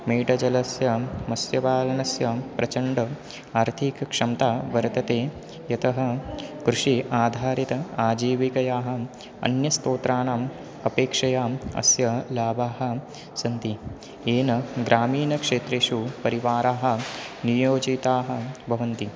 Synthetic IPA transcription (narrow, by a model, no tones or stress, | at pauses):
miːʈɐd͡ʒɐlɐsjɐmɐsjɐʋaːlɐnɐsjɐpɾɐt͡ʃɐɳɖɐ | aːɾt̪ʰikɐkʂɐmt̪aːʋɐɾɐt̪ɐt̪eː | jɐt̪ɐɦɐ̆kɾuʂiʔaːd̪ʱaːɾit̪ɐaːd͡ʒiːʋikɐjaːɦɐ̆ | ɐ̰njɐst̪oːt̪ɾaːnam | ɐpeːkʂɐjaːɐ̰sjɐlaːbaːɦɐ̆ | sɐnt̪i | eːnɐɡɾaːmiːnɐkʂeːt̪ɾeːʃupɐɾiʋaːɾaːɦɐ̆nijoːd͡ʒiːt̪aːɦɐ̆bʱɐʋɐnt̪i